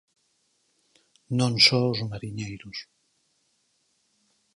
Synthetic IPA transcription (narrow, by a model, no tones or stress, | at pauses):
nõnsowzmaɾiɲejɾus